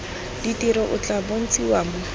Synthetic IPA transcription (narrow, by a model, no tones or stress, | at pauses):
ditiɾɔʔʊt͡ɬʼabon̩t͡sʼiwamʊ